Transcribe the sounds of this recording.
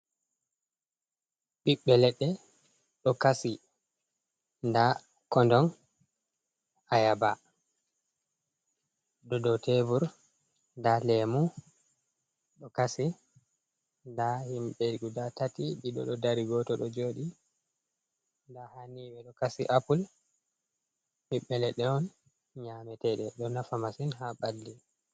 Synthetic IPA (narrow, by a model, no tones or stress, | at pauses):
ɓiɓːɛlɛɗːɛ | ɗɔkasi | nda | kɔndɔn | ajaba | ɗɔdɔtevuɾ | ndalemu | ɗɔkasi | dahimɓɛɡudatatiɗiɗɔ̰ɗɔdaɾiɡɔtɔɗɔd͡ʒoːɗi | dahaniɓɛɗɔkasiʔapul | hiɓɛlɛɗɛɔn | ɲamɛtɛɗɛɗɔnafamasinhaɓalːi